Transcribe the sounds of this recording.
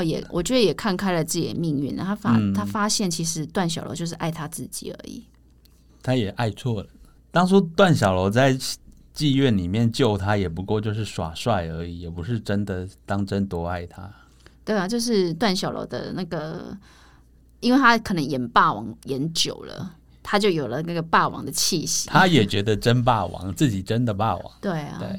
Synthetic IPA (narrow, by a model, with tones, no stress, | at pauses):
jɛ̰˨˩wʔɔ̰˨˩t͡ɕɥɛ˧˥d̪ə˧jɛ˨˩kʰa˥˧nkʰa˥ɪlə˨˩t͡sɹ̩˥˩jɛ̰˨˩nmi˥˧ŋy˥˩nlə̰˨˩t̪ʰa˥fa˥t̪ʰa˥fa˥ɕjɛ˥˩nt͡ɕʰi˧˥ʂɻ̩˧˥t̪wa˥˩nɕjɑ˨ʊlo̰˧˥t͡ɕjo˥˧ʊʂɻ̩˥˧ʔa˥˩ɪt̪ʰa˥t͡sɹ̩˥˩t͡ɕḭ˨˩ə̰˧˥ḭ˨˩ | t̪ʰa˦jɛ˨˩ʔa˥˧ɪt͡sʰwɔ˥˩ə | t̪ɑ˥ŋt͡sʰɔ˥t̪wa˥˨nɕjɑ˨ʊlo˧˥ʊt͡sa˥˧ɪ | t͡ɕi˥˧ɥɛ˥˨nli˨˩mjɛ˥˨nt͡ɕjo˥˩ʊt̪ʰa˦jɛ˨˩pu˧˦kwɔ˥˧t͡ɕjo˥˧ʊʂɻ̩˥˩ʂwa̰˨˩ʂwa˥˩ɪə˧˥i˨˩jɛ˨˩pu˧˦ʂɻ̩˥˩ʈ͡ʂə˦nd̪ə˨t̪ɑ˥ŋʈ͡ʂə˦nt̪wɔ˥a˥˩ɪt̪ʰa˦ | t̪we˥˩ɪa˨˩t͡ɕjo˥˧ʊʂ̬ɻ̩˥˧t̪wa˥˩nɕjɑ˨˩lo̰˧˥ʊd̪ə̰˧na˥˩ɡə˩ | i˥nwe˥˩ɪt̪ʰa˥kʰɤ˨˩nə˧˦ŋjɛ˨˩npa˥˩wɑ̰˧˥ŋjɛ˧˦nt͡ɕjo˨˩ʊlə̰˦ | t̪ʰa˥t͡ɕjo˥˩ʊjo˨˩lə˦na˥˩ɡə˨˩pa˥˩wɑ̰˧˥˦ŋd̪ə˨t͡ɕʰi˥˧ɕi̥˨˦t̪ʰa˦jɛ˨˩t͡ɕɥɛ˧˦˥d̪ə˨ʈ͡ʂə˦˥np̬a˥˩wɑ̰˧˦ŋt͡sɹ̩˥˩t͡ɕi˨˩ʈ͡ʂə˦nd̪ə˨pa˥˩wɑ̰˨˦ŋt̪we˥˩ɪɐ̰˨twḛ˥˩